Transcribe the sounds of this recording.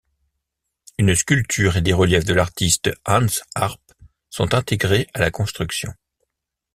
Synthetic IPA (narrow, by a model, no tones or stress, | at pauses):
ynskʲylt̪ʰyʁed̪eʁəljɛfd̪əlaʁt̪ist̪ãnsaʁp | sɔ̃t̪ɛ̃t̪eɡʁeʔalakɔ̃st̪χyksjɔ̰̃